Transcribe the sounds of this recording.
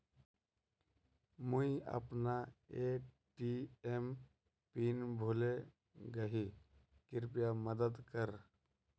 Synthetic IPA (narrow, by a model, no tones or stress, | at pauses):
muiə̰pnae | ʈiem | piːnbʱole | ɡəɦi | kɪɾpjaməd̪əd̪kəɾ